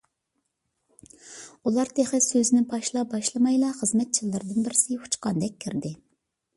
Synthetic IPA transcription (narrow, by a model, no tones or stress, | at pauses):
ulˠɑɾt̪ʰeχɛsøzɪnɪpʰɑʃlˠɑp̚bɑʃlˠɨmɑjlˠɑχəzmɛt̪̚t͡ʃʰilːɪɾd̪ɪnbɪɾɪsɪhu̥t͡ʃqɑnd̪ɛk̚ʲʰːiɾd̪ɪ